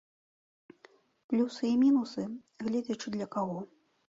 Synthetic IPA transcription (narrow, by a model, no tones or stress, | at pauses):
plʲusɨimʲinusɨ | ɣlʲɛd͡zʲɐt͡ʂɨd̪lʲɐkaɣɔ